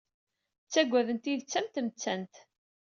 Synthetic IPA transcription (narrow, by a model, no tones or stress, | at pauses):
t͡sːæɡʷːæðənt̪iðt͡sːæmt̪əmt͡sːænt̪